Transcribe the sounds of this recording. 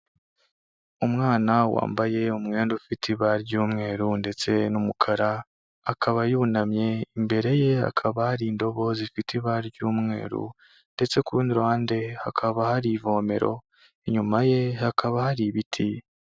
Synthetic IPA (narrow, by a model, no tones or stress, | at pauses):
umŋaːnawa̰ːmbaje̞umŋe̞ːndufitʰiβaɾɟuːmŋe̞ːɾunde̞t͡se̞numukʰaɾaː | kʰaβajuːnamɲe̞imbe̞ɾe̞je̞a̰kʰaβahaɾiːndo̞βo̞zifitʰiβaɾɟuːmŋe̞̰ːɾṵ | nde̞t͡se̞kuɾuːndiɾaːnde̞hakʰaβahaɾiːvo̞me̞̰ɾo̞̰ | eɲumaje̞hakʰaβahaɾiβitʰi